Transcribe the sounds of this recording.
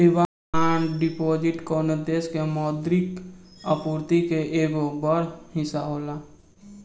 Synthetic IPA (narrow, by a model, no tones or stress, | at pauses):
ɪʋa | aɖɪpoːd͡ʒɪʈkoːnəd̪eːskemɔːd̪ɾɪkəpuːɾt̪ikeʔeːɡobəɾhɪsaɦoːlaː